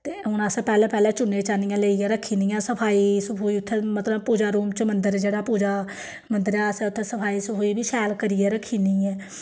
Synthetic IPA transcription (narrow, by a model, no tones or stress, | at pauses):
t̪eːʊnaspɛːlɛːpɛːlɛ̃ːt͡ʃʊnẽːt͡ʃaːnijãːleːijãːɾəkʰːiːnijãːsəpʰaːiːsəpʰuːiːʊt̪ʰːeːmət̪ləbpuːd͡ʒaːɾuːmt͡ʃəmənd̪əɾd͡ʒeːɽaːpuːd͡ʒaː | mənd̪əɾaːsɛ̃ʊt̪ʰːeːsəpʰaːiːsəpʰoːiːbiːʃɛːlkəɾijɛːɾəkʰːiːniːɛ̃ː